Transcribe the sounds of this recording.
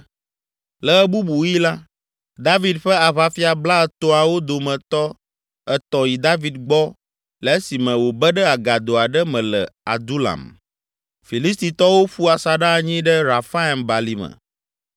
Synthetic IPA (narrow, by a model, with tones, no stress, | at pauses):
lɛ˨ɛ˦bu˦bu˨ji˦la˦ | d̪a˦vi˨d̪ɸɛ˦a˨βa˦fi˦a˨bla˦ɛ˦t̪o˦a˨wo˦d̪o˨mɛ̃˨t̪ɔ˦ | ɛ˦t̪ɔ˨ji˨d̪a˦vi˨d̪ɡ͡bɔ˦ | lɛ˨e˦si˨mɛ̃˨wo˨bɛ˦ɖɛ˦a˨ɡa˨d̪o˨a˨ɖɛ˦mɛ̃˨lɛ̰˨a̰˨d̪u˦la̰˨m | fi˨li˦s̬t̪i˨t̪ɔ˦wo˦ɸu˦a˨sa˨ɖa˦˨ɲĩ˦ɖɛ˦ɾa˨fa˦˨mba˨li˦mə̰̃˨